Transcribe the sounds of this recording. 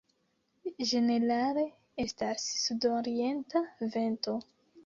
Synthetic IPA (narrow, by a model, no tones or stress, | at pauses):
ʒe̞ne̞ɾale̞ | e̞stasːudoɾie̞ntave̞nto̞